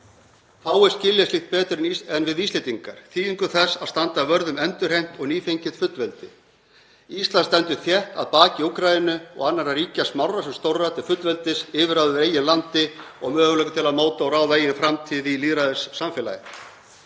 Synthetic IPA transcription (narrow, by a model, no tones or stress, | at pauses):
θawɛɾ̥scɪljast̪lixt̪̚pɛːt̪ɾɪɛnvɪðiːslɪt̪iŋkaɾ̥θiːiŋkʏθɛsːaðst̪ant̪avœɾðʏmɛnt̪ʏɾ̥hejm̥t̪ɔɣniːfejɲcɪt̪fʏt̪lvɛlt̪ɪ | ist̪lanst̪ɛnt̪ʏθjɛht̪a̰ðpaːcɪuwkɾajɪnʏɔ̰ɣanːaɾariːcasmawrasɛmst̪owrat̪ʰɪlfʏt̪lvɛlt̪ɪsɪːvɪɾaːwðʏɾeːjɪnlant̪ɪɔɣmœːɣʏlœːkʏt̪ʰɪlaðmoːwt̪aawraːwðaeːjɪnfɾamt̪ʰiːðiliːðɾaðɪsːamfɪla̰jɪ̰